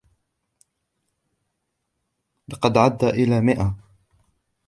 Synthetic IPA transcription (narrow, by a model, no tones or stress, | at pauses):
lɪqɑd̪ʕad̪ːaʔɪlaːmɪʔa